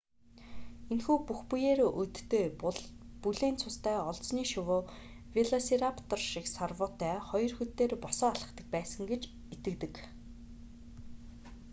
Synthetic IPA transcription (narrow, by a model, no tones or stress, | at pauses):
enxuːpuxpujeːɾoʔɵt̪ːeː | puɮeːnt͡sʰʊst̪æːɔɮsniːʃʊwʊː | wiɮɔseɾapʰt̪ɔrʃiksarwʊːt̪æːχɔjɞ̆rxut̪ːeːrpɔsɔːaɮə̆χt̪ə̆k̚pæːsə̆ŋɡet͡ɕ | et̪ɘ̆k̚t̪ɘ̆k